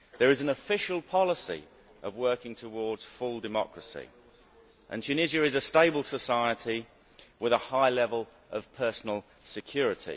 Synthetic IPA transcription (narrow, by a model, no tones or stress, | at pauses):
ðə˞ɨzə̃nəfɪʃəlˠpʰɑlˠəsḭ | ʔəvwɜˑ˞kɪ̃ŋtʰəwɔɹdz̥fʊlˠdɨmɑ̰kɹəsḭ | ʔə̰̃ntʰʉnɪziəɪzəsteɪbəlˠsəsaɪətʰi | wɪðəhaɪlɛvəlˠ | ʔəv̥pʰɜˑ˞sn̩əl̩ˠ | sɨkʰj̥ɔɹɨtʰḭ